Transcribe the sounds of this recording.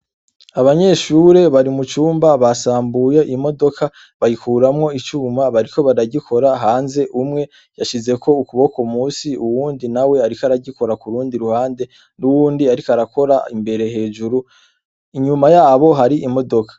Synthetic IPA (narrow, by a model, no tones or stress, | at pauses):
aβaɲe̞ʃuːɾe̞βaɾimut͡ʃuːmbaβasaːmbuje̞ʔimo̞do̞kʰa | βajikuːɾamŋo̞it͡ʃuːmaβaɾiko̞βaɾaɟikʰo̞ɾaɦaːnze̞ʔumŋe̞ | jaʃize̞ko̞ukuβo̞komuːsiuwuːndinawe̞aɾikaɾaɟiko̞ɾakuɾuːndiɾuhaːnde̞ | nuwuːndiaɾikaɾako̞ɾaimbe̞ɾe̞ɦe̞ːd͡ʒuɾu | iɲumajaːβo̞ɦaɾiʔimo̞do̞kʰḁ